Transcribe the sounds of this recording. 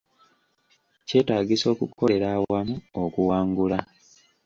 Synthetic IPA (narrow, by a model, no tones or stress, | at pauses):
ce̞ːtaːɡiso̞ːkuko̞le̞ɾawamuokuwaːŋɡula